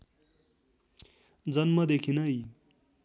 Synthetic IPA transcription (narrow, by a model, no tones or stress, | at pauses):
d͡zʌnmʌd̪ekʰinʌj